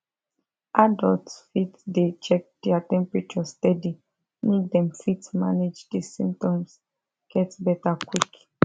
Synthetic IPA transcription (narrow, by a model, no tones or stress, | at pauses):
ʔadɔltfitdet͡ʃɛk̚d̥ɛatɛ̃mpɹit͡ʃɔstɛdi | nidɛ̃mfitma̰ned͡ʒdesĩmp̚tɔ̃ms | ɡ̥ɛtbɛtakwik